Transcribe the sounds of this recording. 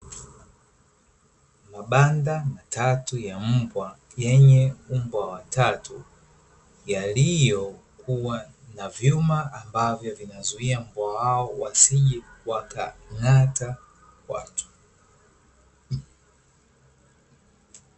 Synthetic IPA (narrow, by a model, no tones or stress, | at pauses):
maɓandamatʰatujam̩bwa | jɛɲɛumbwawatatu | jalijɔ | kuwa | navjumaːmbavjɔvinazuiam̩bwawaɔwasiʄɛwaka̰ŋata | kwa̰tu̥